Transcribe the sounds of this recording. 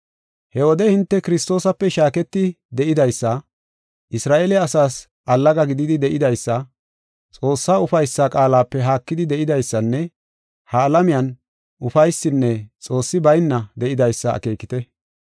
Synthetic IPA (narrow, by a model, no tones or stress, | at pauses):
hɛwɔd̪ɛhɪnt̪ːɛkɪɾɪst̪o̞ːsɐpːɛʃaːkɛt̪ːɪ | d̪ɛʔɪd̪ɐjsːɐ | ʔɪsɾaːʔeːlɛɐsaːs | ʔɐlːɐɡɐɡɪd̪ɪd̪ɪd̪ɛʔɪd̪ɐjsːɐ | t͡sʼo̞ːsːaːʊfɐjsːakʼaːlaːpːɛɦaːkːɪd̪ɪd̪ɛʔɪd̪ɐjsːɐnːɛ | hɐːlɐmɪjɐn | ʔʊfɐjsːɪnːɛt͡sʼo̞ːsːɪbɐjnːɐd̪ɛʔɪd̪ɐjsːɐɐ̰ke̞ːkɪt̪ɛ